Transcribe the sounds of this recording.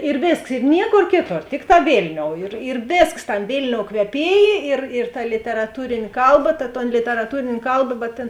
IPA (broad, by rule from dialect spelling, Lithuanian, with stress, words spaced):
ɪr ˈʋʲeːsks ɪ ˈnʲiɛˌkoːr ˈkʲeːˌtoːr ˈtʲɪkˌtɑː ˈʋʲeːlʲnʲoːʊ ɪr ɪr ˈʋʲeːsks ˈtɐmʲ ˈʋʲeːlʲnʲoːʊ kʋʲɛˈpʲiɛjeː ɪr ɪr tɐ lʲɪtʲɛrɐˈtuːrʲeːnʲeː ˈkɐlˠˌbɐ tɐ toːn lʲɪtʲɛrɐˈtuːrʲeːnʲeː ˈkɐlˠbɐ bʲɛt tʲeːn